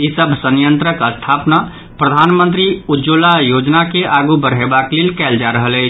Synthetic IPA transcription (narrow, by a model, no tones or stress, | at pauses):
isəbʱsənjənt̪ɾəkəst̪ʰapna | pɾəd̪ʱanmənt̪ɾiud͡ʒolajod͡ʒnakeʔaɡubəɾɦebaklelkɛld͡ʒaɾəɦəlɛɪt͡ʃʰ